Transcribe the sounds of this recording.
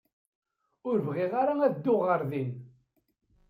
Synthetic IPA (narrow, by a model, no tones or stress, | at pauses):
ʊɾvʁɪʁaɾaæðd̪ːʊʁəɾðin